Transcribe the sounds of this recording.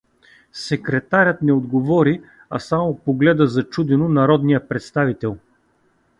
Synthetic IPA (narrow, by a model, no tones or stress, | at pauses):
sɛkɾɛt̪aɾʲət̪nɛod̪ɡovɔɾi | ɐ̰samopoɡlɛd̪əzɐt͡ʃud̪ɛnʊnɐɾɔd̪nijəpɾɛt̪st̪avit̪ɛlˠ